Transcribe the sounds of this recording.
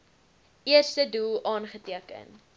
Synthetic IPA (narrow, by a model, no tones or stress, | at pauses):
iərstədulˠɑːnχətiəkə̰n